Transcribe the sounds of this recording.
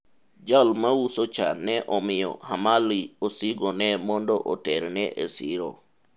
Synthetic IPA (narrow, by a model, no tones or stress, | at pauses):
d͡ʒalmawusot͡ʃa̰nɛʔɔmɪjɔ̰hamaliosiɡɔnɛmɔndɔʔɔ̰tɛɾnɛʔesɪ̰ɾo̰